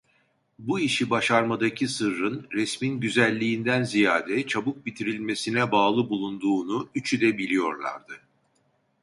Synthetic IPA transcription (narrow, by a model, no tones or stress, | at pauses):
buiʃibaʃaɾmad̪acʰisɯɾɾɯnɾɛsminɟyzælʲːiːnd̪ænzijaːd̪ɛt͡ʃʰabuk̚bit̪ʰiɾilʲme̞sinɛbaːlˠɯbulˠund̪uːnuyt͡ʃʰyd̪ɛbilʲijo̞ɾlˠa̰ɾd̪ɯ